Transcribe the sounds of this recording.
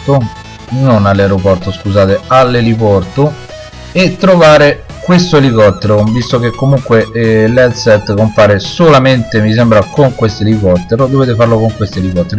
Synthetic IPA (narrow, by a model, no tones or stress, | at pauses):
t̪o | nonalːaeɾopɔrt̪oskuzaːt̪ealːelipɔrt̪o | et̪ːɾovaːɾe | kwest̪oelikɔt̪ːeɾovist̪ok̟ekːomuŋkwelɛd̪sɛt̪ːkompaːɾesolament̪emis̬ɛmbɾakoŋkwest̪elikɔt̪ːeɾod̪oveːt̪efarlokoŋkwest̪oelikɔt̪ːeɾo